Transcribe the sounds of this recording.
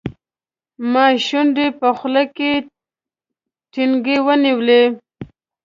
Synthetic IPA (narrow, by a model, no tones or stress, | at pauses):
mɑʃunɖ̪epəxlake | ʈiŋɡewəniwle